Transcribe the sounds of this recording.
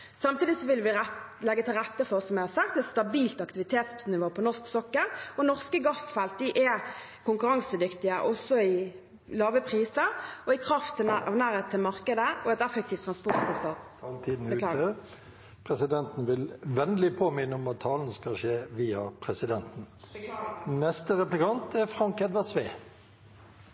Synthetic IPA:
sɑmt̪iːd̪ɪsɔʋɪlʋɪlɛɡːət̪ʰɪlʁɛt̪ːəfɔsɔmjæɪhɑɾsɑk̚t̪ɛt̪st̪ɑbiːlt̪ɑkt̪ɪʋɪt̪ʰeːt̪ssnɪʋoːpʰɔnɔʁsksɔkːəɾɔnɔʁskəɡɑsfɛlt̪̚d̪ɪʔɛ | kʰʊŋkʉʁɑŋsəd̪ʏkt̪ɪəʔɔsɔɪ | lɑːʋəpʰʁiːsəɾɔɪkʰʁɑft̪ʰːɪɑʋnæːʁeːt̪t̪ʰːɪlmɑʁkəd̪əɔɛt̪ɛfɛk̚t̪iːft̪ʰːʁɑnspɔʁt̪fɔst̪ɑ | t̪ʰiːd̪n̩ | pʰɾɛsɪd̪ɛnt̪n̩ʋɪlʋɛnd̪lɪpʰoːmɪnːəɔmɑt̪ʰːɑːlnəskɑʃeːʋiːɑpʰɾɛsɪd̪ɛnt̪n̩ | nɛst̪əʁɛplɪkʰɑnt̪ɛfɾɑŋkɛd̪ʋætsʋeː

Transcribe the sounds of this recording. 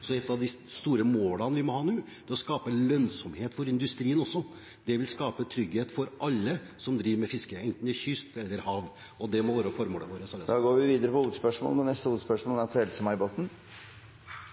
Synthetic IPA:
sɔɛt̪ːɑʋd̪ɪ | st̪uːɾəmoːlɑnəʋɪmɔhɑːnʉː | d̪̥ɛɔskɑːpəlœnsɔmheːt̪fɔɾɪnd̪ʉst̪ɾiːənɔsːɔ | d̪̥ɛʋɪlskɑːpət̪ʰɾʏɡheːt̪fɔɾʔɑlːə | sɔmd̪ɾiːɾmɛfɪskəɛnt̪n̩ɪçʏst̪ɛlːəɾhɑːʋ | ɔd̪ɛmɔʋæːɾəfɔɾmoːləʋoːɾəsɑd̪ɑːɡoːɾʋɪʋiːd̪əɾəpɔuːd̪spœʂmo̰ːlɔnɛst̪əuːd̪spœʂmoːl̩æɾfɾɛlsəmɑɪbot̪n̩

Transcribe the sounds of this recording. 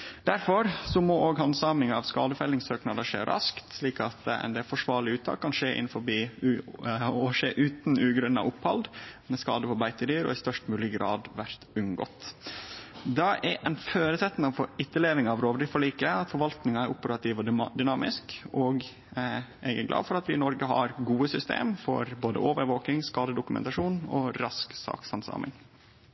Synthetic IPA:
d̪̥æɾfɔɾsɔmooːɡhɑnsɑːmɪŋɑʋskɑːd̪əfɛlːɪŋsøːknɑd̪ɑʂḛːɾʔɑ̰skt̪sliːkɑt̪ɛ̰nd̪ɛfɔʂʋɑːɾɭɪʉːt̪ʰɑ̰ːkʰːɑnʂeːʔɪ̰nfɔɾbiː | ɔʂeːʔʉːt̪nʉːɡɾœnːɑ̰ʔʊphɑld̪mɛskɑ̰ːd̪əfɔbæɪt̪əd̪yːɾɔ̰ɪst̪œʂt̪mʉːlɪɡɾɑ̰ːd̪ʋæɾt̪ʉŋɡɔ̰t̪ | d̪ɑʔɛʔɛnføːɾəsɛt̪ːn̩ɑʋfɔɪt̪ːəleːʋɪŋɑʋɾoːʋɾifɔɭiːkəɑt̪fɔɾʋɑlt̪nɪŋɑæɾʔʊpəɾɑt̪ʰiːʋɔd̪ʏnɑːmɪskɔɡ | ɛɡɛ̰ɾɡlɑ̰ːd̪fɔɾɑt̪ʋɪnɔɾɡəɦɑ̰ɾɡuːəsʏst̪ḛːmfɔ̰ɾboːd̪ə̰ʔoːʋəɾʋoːkɪŋskɑːd̪əd̪ʊkʉmɛ̰nt̪ɑʂuːnɔ̰ɾɑsksɑ̰ːksɑnsɑ̰ːmɪ̰ŋ

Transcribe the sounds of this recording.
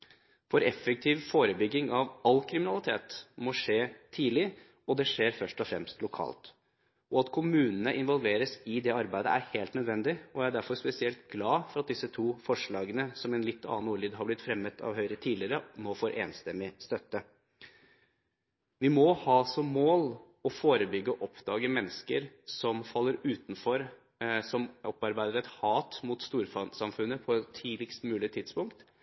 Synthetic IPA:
fɔɾɛfːək̚t̪ʰiːʋfoːɾəbʏɡːɪŋɑʋɑlːkʰɾɪmɪnɑlɪt̪ʰeːt̪mɔʂeːt̪ʰiːlɪ | ɔd̪ɛʂeːɾfœʂʈɔfɾɛ̰mst̪lʊkʰɑ̰ːlt̪ | ɔɑt̪kʰʊmʉːnənəʔɪnʋɔlʋeːɾəsɪd̪ɛɑɾbæɪd̪ə̰ʔæ̰ɾheːlt̪nœd̪ʋɛnd̪ɪɔæɪæɖæɾfɔɾspɛsɪɛlt̪ɡlɑːfɔɾɑt̪̚d̪ɪsət̪ʰuːfɔʂɭɑːɡənəsɔmɛnlɪt̪ʰːɑ̰ːnuːlyd̪ɦɑblɪt̪fɾɛmːət̪ʰɑ̰ʋɦœʏɾət̪ʰiːdlɪəɾənoːfoːɾʔeːnst̪ɛmːɪst̪œt̪ːə | ʋɪmɔhɑːsɔmːoːl | ɔfoːɾəbʏɡːəɔʔɔpd̪̥ɑːɡəmɛnːəskəɾsɔmfɑlːəɾʉːt̪nfɔɾ | sɔmɔpɑɾbæɪd̪əɾɛt̪hɑːt̪mʊt̪st̪uːɾfɑsɑmfʉnːəpʰɔɛt̪ʰːiːlɪkst̪mʉːlɪt̪ʰɪd̪spʊŋkt̪

